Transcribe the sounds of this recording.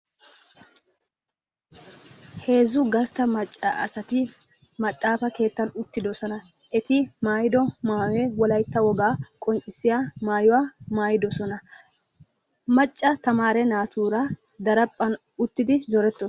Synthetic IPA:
he̞ːzʊɡɐst̪ɐmɐt͡ʃʼːɐ̰ʔɐ̰sɐt̪ɪ | mɐt̪ʼːaːfɐke̞ːt̪ːɐnʊt̪ːɪd̪ɔsɔnɐ | ʔɛt̪ɪmaːjɪd̪ɔmaːwɛwɔlɐjt̪ːɐwɔɡaːkʼɔnt͡ʃʼːɪsːɪjamaːjʊwaːmaːjɪd̪ɔsɔnɐ | mɐt͡ʃʼːɐt̪ɐmaːɾɛnaːt̪uːɾɐ | d̪ɐɾɐpʼːɐn | ʊt̪ːɪd̪ɪzɔɾɛt̪ːɔ

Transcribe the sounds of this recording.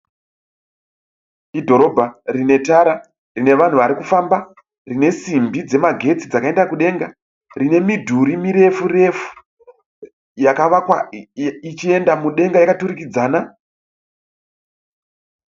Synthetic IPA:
idʱo̞ɾo̞ːbʱarine̞taɾa | rine̞ʋan̤uʋaɾikufamba | rine̞simbid͡ze̞maɡʱe̞t͡sid͡zakae̞ndakuɗe̞ŋɡa | rine̞midʱuɾimiɾe̞fure̞fu̥ | jakaʋakwait͡ʃie̞ndamuɗe̞ŋɡajakatuɾikid͡zaːna

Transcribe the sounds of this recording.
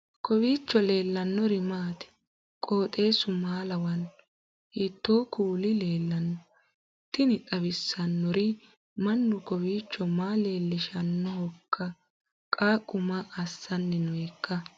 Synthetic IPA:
kɔbiːt͡ʃːɔle̞ːlːɐnːɔɾɪmaːt̪ɛ̥ | kʼoːt̪ʼe̞ːsʊmaːlɐwɐn | hɪt̪ːoːkʰuːlɪle̞ːlːɐnːɔ | t̪ːɪnɪt̪ʼɐbɪsːɐnːɔɾɪ | mɐnːʊkɔbiːt͡ʃːɔmaːle̞ːlːɪʃɐnːɔhɔkʰːɐ | kʼaːkʼːʊmɐʔɐsːɐnːɛnʊɛkːɐ

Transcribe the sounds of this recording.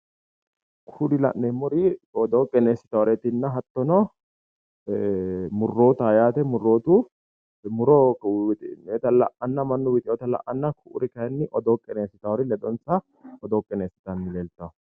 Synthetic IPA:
kʰudɪlɐ̰ʔnemːʊɾɪɔd̪ɔkʼɛneːsːɪ̥t̪ɐwɾɛt̪ɪnːɐɦɐt̪ːɔnɔ | mʊrːo̞ːt̪ɐːjaːt̪ɛmʊrːo̞ːt̪u | mʊɾɔwt̪ʼet̪ɐlɐ̰ʔɐnːɐmɐnːɔwɪt̪ʼɪjɔt̪ɐlɐ̰ʔɐnːɐkʰʊʔʊ̰ɾɪkɐjɛnːɪʔɔd̪ɔːkʼɛneːsːɪt̪ɐwɔɾɪlɛd̪ɔnt͡sːɐ | ɔd̪ɔkʼɛneːsːɪ̥t̪ɐnːɪleːlt̪ːɐw

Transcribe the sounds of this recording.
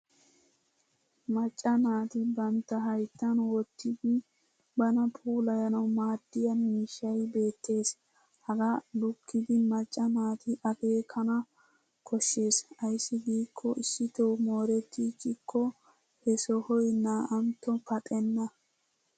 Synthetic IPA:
mɐt͡ʃʼːɐnaːt̪ɪbɐnt̪ːɐɦɐjt̪ːɐnwɔt̪ːɪd̪ɪ | bɐnɐpʰʼuːlɐjɐnɐwmaːd̪̥ːɪjɐmiːʃːɐjbe̞ːt̪ːe̞ːs | hɐɡɐlʊkːɪd̪ɪmɐt͡ʃʼːɐnaːt̪ɪʔɐɡe̞ːkʰɐnɐ | kʰɔʃːe̞ːsɐjsːɪɡiːkʰːɔɪsːɪt̪omoːɾɛt̪ːikɪkʰːɔ | hɛsɔhɔjnaːʔɐmt̪ːɔpɐt̪ʼɛnːɐ

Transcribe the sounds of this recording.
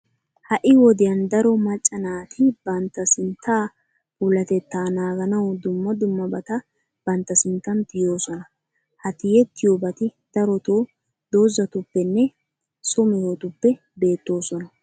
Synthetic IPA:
hɐʔɪwɔd̪ɪjɐnd̪ɐɾɔmɐt͡ʃʼːɐnaːt̪ʰɪbɐnt̪ːɐsɪnt̪ːaː | ʊlɐt̪ɛt̪ːaːnaːɡɐnɐwd̪ʊmːɐd̪ʊmːɐbɐt̪ɐ | b̥ɐnt̪ːɐsɪnt̪ːɐnt̪ɪjo̞ːsɔnɐ | hɐt̪ɪjɛt̪ːɪjoːbɐt̪ɪd̪̥ɐɾɔt̪oː | d̪o̞ːzɐt̪ʊpːɛnːɛ | sʊmɛjɔt̪ʊpːɛ | be̞ːt̪ːo̞ːsɔnɐ

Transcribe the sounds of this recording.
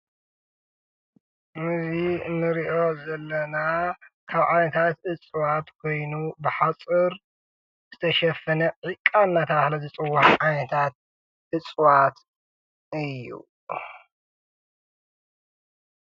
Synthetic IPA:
mɨzinɨɾiʔo̞zɐlːɐnakʰaβʕajnɐt̪ʰat̪ɨt͡sʼwat̪kʰo̞jnubɨħat͡sʼɨɾ | z̥ɨt̪ʰɐʃɐfːɐnɐʕɨkʼannat̪ʰɐahlɐzɨt͡sʼɨwːaħʕajnɐt̪ʰat̪̚ | ʔɨt͡sʼwat̪ | ɨjːṵ

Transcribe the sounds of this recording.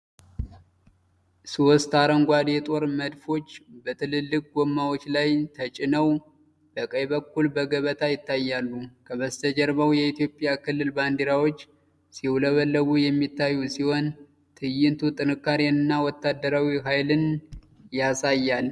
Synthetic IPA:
sost̪aɾəŋɡʷad̪jɛt̪ʼo̞ɾməd̪fo̞t͡ʃːbət̪ʰɨlɨlːɨk̚ʼɡomːawot͡ʃːlajt̪ʰət͡ʃʼɪnəw | b̥əkʼəjβəkːulbəɡəβət̪ʰajɪt̪ːajːalːukʰəβəst̪ʰəd͡ʒɛɾβawjɛit̪jo̞pʼjakʰɨlːɨlband̪iɾawo̞t͡ʃː | siwləβəlːəɡujɛmːit̪ːajːusiho̞n | t̪ʰɨjɪnt̪ʰut̪ʼɨnɨkːaɾnɨnːawɔt̪ːad̪ːəɾawiɦajlɨn | jasajːal

